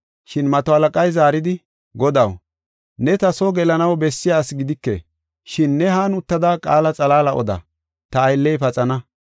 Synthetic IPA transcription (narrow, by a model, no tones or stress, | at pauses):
ʃɪnmɐt̪ɔhɐlɐkʼɐjzaːɾɪd̪ɪ | ɡɔd̪ɐw | nɛt̪ɐsɔɡɛlɐnɐwbɛsːɪjaːsɡɪd̪ɪkːɛ̰ | ʃɪnːɛɦaːnʊt̪ːɐd̪akʼaːlɐt͡sʼɐlaːlɐʔɔ̰d̪ɐ̰ | t̪ɐːjlːɛjpɐt͡sʼɐnɐ